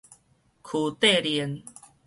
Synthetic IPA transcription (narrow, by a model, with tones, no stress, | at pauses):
kʰu˨˩t̪e˥˨li˨˩˦n